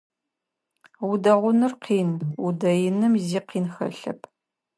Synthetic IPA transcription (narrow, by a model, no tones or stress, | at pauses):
wʊdɐʁʷʊnɨrqiːnudɐjɪnɨmziːqiːnxɐ̰ɬɐ̰pʰ